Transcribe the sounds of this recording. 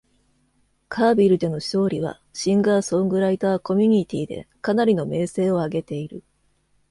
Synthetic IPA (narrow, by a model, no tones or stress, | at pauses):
kʰaːbʲiɾɯ̟d̪e̞no̞ɕo̞ːɾʲiβ̞a̰ | ɕĩŋɡaːsõ̞ŋɡɯ̟ɾait̪aːko̞mʲiɲ̟it̪ʲiːd̪e̞̰kanaɾʲino̞me̞ːse̞ːo̞aɡe̞t̪e̞iɾɯ̟